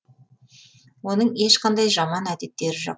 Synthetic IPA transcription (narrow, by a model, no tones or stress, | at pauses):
wo̞nəɴe̞ʃqɑnd̪ɑjʒɑmɑnæd̪e̞t̪ːe̞ɾɪʒo̰